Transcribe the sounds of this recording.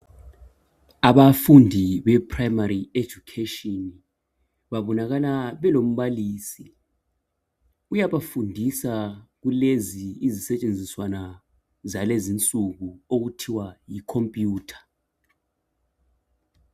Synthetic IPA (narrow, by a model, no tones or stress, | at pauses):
aβafundʱiβɛpʰrajmarie̥d͡ʒukʰetʼɔn | βaβɔnaɣalaβɛlom̩βaliːsi | ujaβafundʱisaɣ̬uleziːzisɛt͡ʃʼend͡zʱiswana | zalezint͡sʼuɣuoɣutʰiwajikʰompʼjuːtʰḁ